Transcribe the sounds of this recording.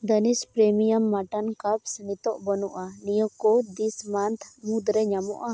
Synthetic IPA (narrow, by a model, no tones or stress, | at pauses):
d̪ənispɾɛmijamːaʈankapsənit̪ɔʔbɔnɔʔanijəkɔd̪ismant̪ʰmud̪ɾɛɲamɔ̰ʔa